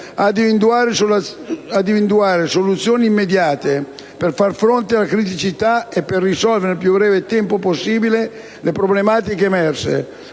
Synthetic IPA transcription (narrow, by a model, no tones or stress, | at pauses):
ad̪ivind̪uaːɾes | ad̪ivind̪uaːɾesolut̪sːjoːniːmːed̪jaːt̪e | perfarfɾont̪ɪalakɾit̪̬it͡ʃit̪aepːerːisɔlveɾnepjubːɾɛːvet̪ɛmpoposːiːbile | lepɾoblemaːt̪ikeːmɛrsḛ